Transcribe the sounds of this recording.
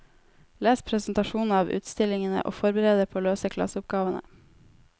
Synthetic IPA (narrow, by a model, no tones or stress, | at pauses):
leːspʰɾɛsnt̪ɑʃuːnnɑːʋʉ̰ːt̪st̪ɪlɪŋənə̰ʔo̰ːfɔɾbəɾeːd̪əpʰoːløːsəkʰlɑ̰sʊp̚ɡɑːʋənə̰